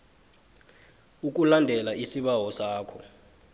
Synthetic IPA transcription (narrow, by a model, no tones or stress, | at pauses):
uk̬ʼulandʱɛlaʔisiɓawɔsaːkʰɔ